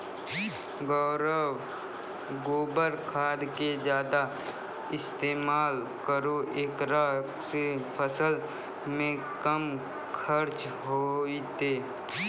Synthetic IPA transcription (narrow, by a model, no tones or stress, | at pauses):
ɡɔːɾəw | ɡoːbəɾkʰaːd̪ked͡ʒjaːd̪a | ɪst̪eːmaːl | kəɾoʔeːkɾaː | sepʰəsəl | mẽ | kəm | kʰəɾt͡ʃ | ɦoit̪eː